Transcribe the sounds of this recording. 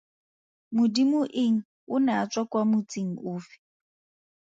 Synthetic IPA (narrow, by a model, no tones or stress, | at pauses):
mʊdimʊʔɪŋ̩ | ʊnat͡sʼwakʼwamʊt͡sʼiŋ̩ʊːfi̥